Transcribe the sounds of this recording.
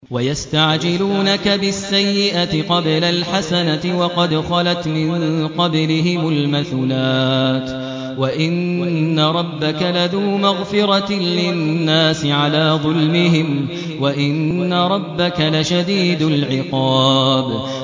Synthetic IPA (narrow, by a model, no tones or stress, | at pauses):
wajast̪aʕd͡ʒɪluːnakabɪsːajːɪʔat̪ɪqɑblalħasanaɪwɑqɑd̪xɑlat̪mɪnqɑblɪɦɪmʊlmaθuːlaːt̪ | waʔɪnːaɾˤɑbːakalaðuːmaɣfɪɾˤɑlɪnnːaːsɪʕalaːðˤʊlmɪɦɪm | waʔɪnːaɾˤɑbːakalaʃad̪iːd̪ʊlʕɪqɑːb